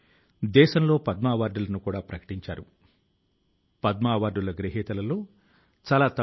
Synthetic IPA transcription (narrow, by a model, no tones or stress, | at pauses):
d̪ɛːʃɐmlo̞ːpɐd̪maːʋaːɾɖulɐnukuːɽaːpɾɐkɐ̥ʈiɲt͡ʃaːɾu | pɐd̪maːʋaːɾɖulɐɡɾɐɦɛːt̪ɐlɐlo̞ː | t͡ʃaːlaːt̪ɐ